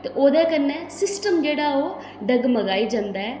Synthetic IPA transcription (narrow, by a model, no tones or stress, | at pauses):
t̪eːʔoːd̪ɛːkənːɛ̃ːsɪsʈəmd͡ʒeːɽaːoː | ɖəɡməɡaːiːd͡ʒãːnd̪aːɛː